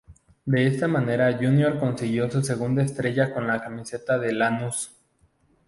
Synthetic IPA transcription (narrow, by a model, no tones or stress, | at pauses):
d̪e̞est̪amãne̞ɾaʝunjo̞ɾko̞nsiɣjo̞sus̬e̞ɣ̞und̪aest̪ɾe̞ʝako̞nlakamise̞t̪aðe̞lanus